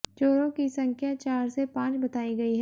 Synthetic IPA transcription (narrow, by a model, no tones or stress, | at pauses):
t͡ʃoːɾõkisɐ̃ŋkʰjat͡ʃaːɾsepãːt͡ʃbɐt̪aːiɡɐiɦɛː